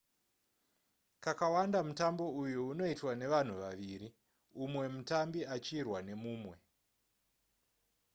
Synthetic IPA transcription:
kakawandamutambo̞ujuːno̞itwane̞ʋan̤uʋaʋiɾi | umwe̞mutambiat͡ʃiːrwane̞muːmwe̞

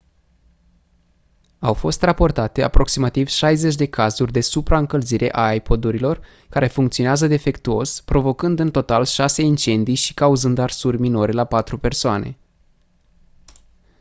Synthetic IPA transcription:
awfo̞st̪rapo̞rt̪at̪e̞apɾo̞ksimat̪iv̥ʃajze̞t͡ʃʲd̪e̞kazurʲd̪e̞supɾaɨŋkəlziɾʔe̞̰ʔaːjpo̞d̪uɾilo̞r | kaɾe̞fuŋkt̪sioneazəd̪e̞fe̞kt̪uo̞spɾo̞vo̞kɨnd̪ɨnt̪o̞t̪alʃase̞int͡ʃe̞nd̪ijʃi̥kauzɨnd̪arsurʲmino̞ɾe̞lapat̪ɾupe̞rsoane̞̰

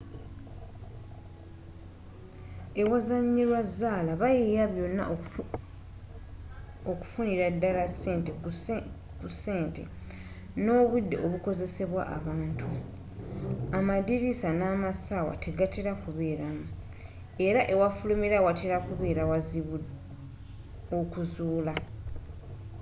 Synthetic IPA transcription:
e̞wazaɲːilwazaːlaβajejaβjo̞nːa̰ | oku̥funiɾadːalaseːnte | kuse̞ːnte̞ | no̞ːβudːe̞̰ʔo̞βuko̞ze̞se̞βwa̰ʔa̰βaːntʰu | amadiɾisanaːmasawa̰tʰe̞ɡatʰeɾakuβe̞ːɾamu | e̞ɾaʔe̞wafulumiɾawatʰeɾakuβe̞ːɾawazi | okuzuːla

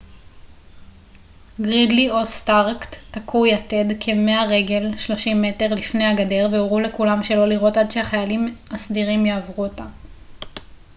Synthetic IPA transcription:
ɡʁidlio̞staʁktːakʰujate̞dkʰe̞me̞aʁe̞ɡe̞lʃlo̞ʃimːe̞te̞ʁlifnejaɡade̞ʁveoʁule̞kulamʃe̞lo̞liʁo̞tadʃehaχajalimasdiʁimjeːvʁuota

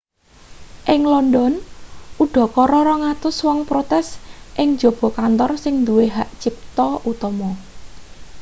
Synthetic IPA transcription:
ʔɪŋlɔndɔnʔuɖ̥ɔ̤kɔɾɔɾɔŋat̪ʊswɔŋpɾot̪ɛsʔɪŋ̥d͡ʒo̤b̥ɔ̤kant̪ɔrsɪŋnd̪uweɦaʔt͡ʃɪp̚t̪ɔʔut̪ɔmɔ

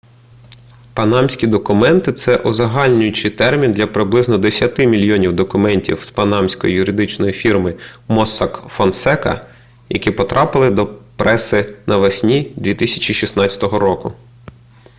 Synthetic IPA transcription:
pɐnɑmsʲkʲid̪ɔkʊmɛnt̪ɪt̪sɛʔʊzɐɦɑlʲnʲʊjʊt͡ʃɪjt̪ɛrmʲind̪lʲɐpɾɪblˠɪznɔd̪esʲjɐt̪ɪmʲilʲjɔnʲiwd̪ɔkʊmɛnʲtʲḭwspɐnɑmsʲkɔ̰jḭjʊɾɪd̪ɪt͡ʃnɔjifʲirmɪmɔsɑkfɐnsɛkɐ̰ | jɐ̰kʲipɔt̪ɾʔɑpɪlˠɪd̪ɔpɾɛsɪnʔɐʋɐsʲnʲid̪ʲʋʲit̪ɪsʲɐ̥t͡ʃiʃʲisnɑt͡sʲɐ̥t̪ɔɦɔɾɔkʊ

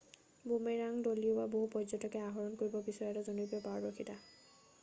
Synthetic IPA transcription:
bumeɹaŋdoliobaboɦupɔzɔtɔkɛaɦɔɹɔnkoɹibɔbisɔjatɔzonupɔpaɹɹokʰita

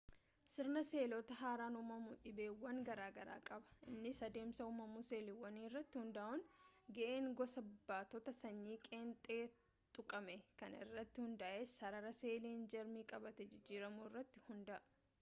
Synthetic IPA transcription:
sɪɾnɐse̞ːlɔt̪ɐɦaːɾaːnʊmɐmuːt̪ʼɪbeːwːɐŋɡɐɾaːɡɐɾa̰ːkʼɐbɐ̥ʔɪnːɪsɐd̪e̞ːmsɐʊmɐmuːse̞ːlɪwːɐniːɪrːɐt̪ːɪhʊnd̪aːʔʊŋɡɐʔe̞ːŋɡɔsɐbbːaːt̪ɔt̪ɐsɐɲːiːkʼeːnt̪ʼeː | t̪ʼʊkʼɐmɛkɐnɪ̰rːɐt̪ːɪhʊnd̪ɐʔesɐɾɐɾɐse̞ːliːnd͡ʒɐɾmiːkʼɐbɐt̪ɛd͡ʒɪd͡ʒːiːɾɐmuɪrːɐt̪ːɪ̥hʊnd̪ɐʔɐ

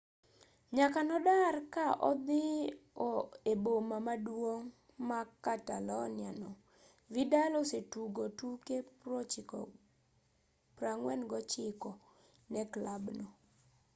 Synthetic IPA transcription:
ɲakanɔdarkaʔɔ̰d̪ɪɔebomamadwoŋ | makatalɔnɪanɔ | vidalɔsetuɡotukepɾot͡ʃɪkɔ̰ | pɾaŋwɛnɡɔt͡ʃɪkɔ | nɛklabnɔ

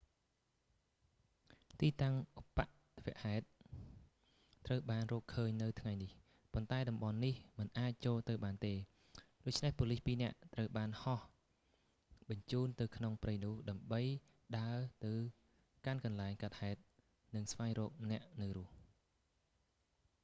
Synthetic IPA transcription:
t̪iːt̪aŋʔupːaʔt̪ʰʋɛ̆əʔhaɛt̪̚ | rəwɓaːnrɔːkʰːəːɲnɨwt̪ʰŋajnih | pont̪aɛɗɑmɓɑnːihmɨnʔaːc̚t͡ɕoːlt̪ɨwɓaːnt̪eː | ɗoːc̚t͡ɕʰnehpoːlihpiːnɛ̆əʔt̪rəwɓaːnhɑh | ɓɑɲt͡ɕuːnt̪ɨwkʰnoŋprɨjnʊ̆əhɗaəmɓəj | ɗaət̪ɨw | kankɑnlaɛŋkat̪̚haɛt̪̚ | nɨŋsʋaɛŋrɔːk̚nɛ̆əʔnɨwrʊ̆əh

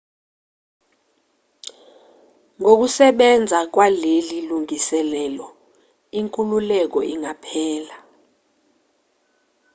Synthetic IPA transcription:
ŋʱok̬usɛɓɛnd͡zʱak̬waleliluŋisɛlɛlɔ | iŋkʼululɛk̬ɔ̰iŋʱapʰɛːla

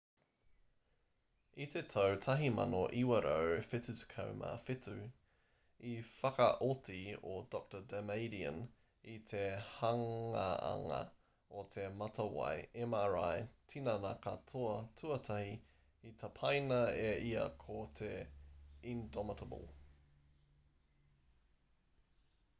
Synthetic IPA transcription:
it̪ʰetʰɐwtʰɐɦimɐ̰noʔiwɐɾʔowfɪtʉtkʰɐ̰wmʔa̰fɪtʉ | ifɐkɐʔotʰiodɔk̚tədɛmejɾiə̰n | it̪ʰehɐŋɐɐ̰ŋɐ̰ | ot̪ʰemɐtɐwa̰jɛmaɾajtʰinɐnɐkʰɐtʰoɐtʰuɐtʰɐhi | itʰɐpʰɐjnɐeiɐ̰kʰotʰe | indɔmɪtəbə̰lˠ

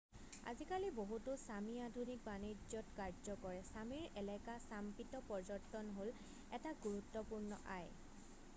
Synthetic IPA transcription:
a̰zikaliboɦutʊsamiadʱunik̚banid͡ʒɔtkaɹzɔkɔɹɛsamiɹɛlɛkasampitɔpɔɹzɔɹtːɔnɦol | ɛtaɡuɹutːɔpuɹnɔʔaj

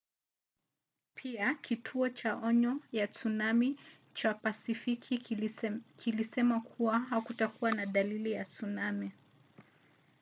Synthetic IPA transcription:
pʰiakʰitʰuɔt͡ʃaʔɔɲɔjat͡sunami | t͡ʃapasifikʰi | kʰilisɛmakʰuwaɦakutakuwanaðalilijat͡sunami

